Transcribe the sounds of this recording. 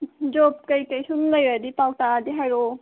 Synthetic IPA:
d͡ʒɔp̚kəjkəjsunləjɾadipaw̚tadiɦajɾo

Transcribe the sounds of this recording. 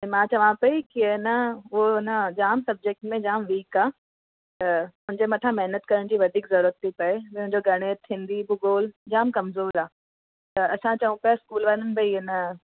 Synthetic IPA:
ẽmãt͡ɕɐʋ̤ãpɐikinəʊoɪnəd͡ʑaːmsɐb̚d͡ʑeːk̚ʈmẽd͡ʑaːmʋiːkaː | ɐmʊ̃ɦɪɲd͡ʑemɐʈʰãmɛɦnət̪kɐɾəɽ̃d͡ʑiːʋɐd̪ʱiːkzɐɾuːɾət̪̚ːʰipɐemɦʊ̃ɪ̃ɲd͡ʑoɡʱɐɽ̃eːt̪ʰĩːnd̪ibʊɡoːld͡ʑaːmkɐmzoːɾaː | t̪ɐɐsãt͡ɕɐʋũpɐjaskuːlʋanənɪ̆bɐiɪnə

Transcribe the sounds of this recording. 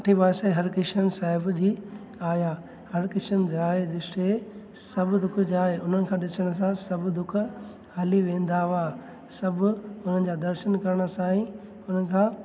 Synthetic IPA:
ʈʰibaːseɦɐɾkɪʃənsaːɦɪbd͡ʑiː | aːjaː | hɐɾkɪʃənd͡ʑaːedɪʃʈe | sɐbʱɪd̪ʊkʰd͡ʑaːɦeʊn̤ənɪ̆kʰãːɗɪsəɽ̃s̬ãsɐbʱɪd̪ʊkʰ | ɦɐliʋẽːnd̪aaː | sɐbʱʊʊn̤ənɪ̆d͡ʑaːd̪ɐɾʃənkɐɾəɽ̃ə̆sãːĩ | ʊn̤ənɪ̆kʰãː

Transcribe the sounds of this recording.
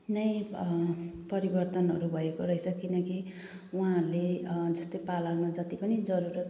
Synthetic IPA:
nʌj̃ | pʌɾibʌrt̪ʌnɦʌɾubʱʌekoɾʌisʰʌkinʌki | uãled͡zʌst̪ʌjpalawnʌd͡zʌt̪ipʌnid͡zʌɾuɾ

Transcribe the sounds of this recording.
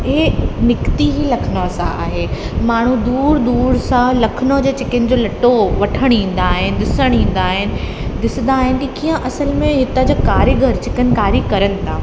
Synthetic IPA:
eːnɪkt̪iɦilɐkʰɪnoɐsãa̰ːɦe | maːɳ̤ud̪uːɾd̪uːɾsãlɐkʰɪnod͡ʑeːt͡ɕɪkənɪ̆d͡ʑoːlɐʈoʋɐʈʰəɽ̃ĩːn̆d̪aːɦɪnɪ̆d̪ɪsəɽ̃ĩːn̆d̪aːɦɪnɪ̆ | d̪ɪsɪ̃n̆d̪aːɦɪnɪ̆kikijə̃ʔɐsəlmẽɦɪt̪əd͡ʑakaːɾjəɡʱɐɾt͡ɕɪkənkaːɾikɐɾənɪ̆t̪ʰaː

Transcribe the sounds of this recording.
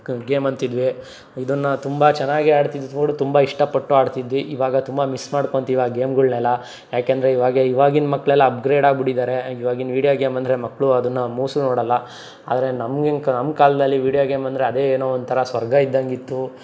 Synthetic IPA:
ɡeːmɐnt̪id̪ʋi | id̪ɐnːɐt̪umbɐt͡ʃɛnːaːɡiaːɽt̪id̪uoːɽut̪umbɐiʂʈɐpːɐʈːuaːɽt̪id̪ʋiʔiʋaːɡɐt̪umbɐmismaːɽko̞ɳt̪iːʋaɡeːmɡuɭnɛlːɐ | jaːkeːnd̪ɐɾe̞iʋaːɡeiʋaːɡinmɐkːɭɛlːɐɐpɡɾeːɖaːɡbiɽid̪aːɾe̞iʋaːɡinʋiːɽijoːɡeːmɐnd̪ɐɾemɐkːɭuɐd̪ɐnːɐmuːsunoːɽɐlːɐ | a̰ːd̪ɾe̞nɐmɡiknɐmkaːld̪ɐlːiʋiːɽijoːɡeːmɐnd̪ɾe̞ɐd̪e̞ːeːnoːond̪̚t̪ʰɐɾɐsʋɐɾɡɐid̪ːɐŋɡit̪ːu

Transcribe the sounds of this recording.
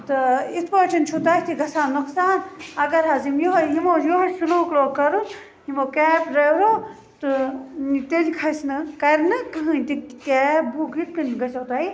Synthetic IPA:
t̪ɨit̪ʰpoːt͡ʃʰint͡ʃʰut̪aːit̪ʰiɡɐsaːnɐksaːnɐɡɐɾɦaːzimjoɦojimoːd͡ʒjoɦosuluːkloːkɐɾun | jimoːkɛːpɾeɾoː | t̪ɨ | t̪elikʰɐsnɨkɐɾnɨkɐɦɨ̃nʲt̪itɛːbuɡit̪̚kɐnɡɐsɐːt̪aːi

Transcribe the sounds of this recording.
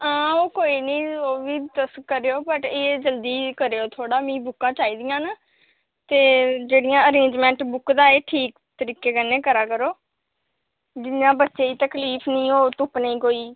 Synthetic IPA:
ãːoːkoːiːnĩːoːʋiːd̪əskəɾeːoːbəʈeːd͡ʒəld̪iːkəɾeːoːt̪ʰoːɽaːmĩːbʊkːãːt͡ʃaːiːd̪ɪjãːna | t̪eːd͡ʒeːɽɪjãːəɾẽːɲd͡ʒmɛ̃ːɳʈbʊkd̪aːeːʈʰiːk | t̪əɾiːkeːkəneːkəɾaːkəɾoː | d͡ʒɪnjãːbətːʃeːiːt̪əkliːpʰnĩːoːt̪ʊpnĩːkoːiː

